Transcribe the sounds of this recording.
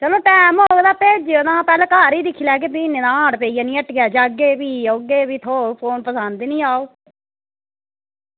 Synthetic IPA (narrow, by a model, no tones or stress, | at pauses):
t͡ʃəloːʈɛːmɦoːɡd̪aːpeːd͡ʒod̪ãːpɛːlɛːkaːɾiːd̪ɪkʰːiːlɛːk̬eːbiːneːd̪ãːãːɽpeːijaːnĩːəʈɡjaːd͡ʒaːɡeːbiːoɡeːbiːt̪ʰoːpʰoːnpəsənd̪iːnĩːaːoː